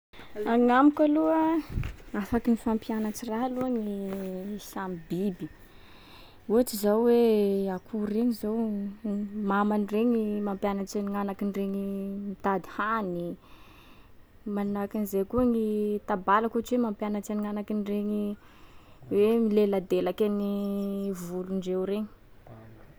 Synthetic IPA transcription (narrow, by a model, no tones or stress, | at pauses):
aŋamikaluə | afakinifampianat͡siraɦaluaŋiisamibibi̥ | uaʈ͡ʂizawweakʰureɲizow | mamanireɲimampjanat͡seniŋanakinireɲimit̪ad̪i̥hani | manakinzekuaŋit̪abalakuʈ͡ʂiwemampjanat͡seniŋanakinireɲi | wemilelad̪elakʲanivuluɳɖ͡ʐewɾeɲi̥